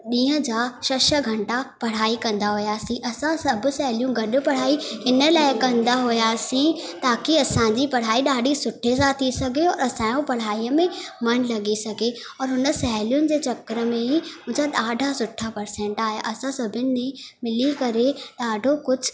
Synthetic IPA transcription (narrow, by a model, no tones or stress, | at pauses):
ɗĩːɦə̃d͡ʑaːʃɐʃə̆ɡʱɐ̃ɳʈapɐɽ̤aːikɐ̃nd̪aɦʊjaːsĩʔɐsãsɐbʱʊ̆sɛɦlijũɡʱɐɗʊ̆pɐɽ̤aːiɪnə̆laːɪkɐ̃nd̪aɦʊjaːsĩt̪aːkiɐsãd͡ʑipɐɽ̤aːiɗaːɖʱisʊʈʰesat̪ʰisɐɡʱiɔːɾɐsãːjõpɐɽ̤aːijəmẽmɐnlɐɡisɐɡʱe | ɔːɾɦʊnə̆sɛɦlijʊnɪ̆d͡ʑeːt͡ɕɐkəɾəmẽɦimʊ̃ːd͡ʑaɗaːɖʱasʊʈʰapɐɾsɛ̃ɳʈaːɦɪja̰ʔɐsãsɐbʱɪnɪ̆nẽmɪlikɐɾeɗaːɖʱokʊd͡ʑ̆ʱ